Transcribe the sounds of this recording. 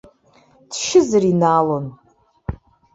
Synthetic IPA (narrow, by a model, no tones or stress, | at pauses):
d̥ʃɪzɨrinaːlon